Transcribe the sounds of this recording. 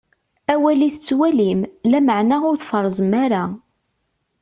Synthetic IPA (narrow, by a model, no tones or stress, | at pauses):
æwæliθət͡sːwælimlæməʕnaʊɾθfəɾˤːzˤəmaɾa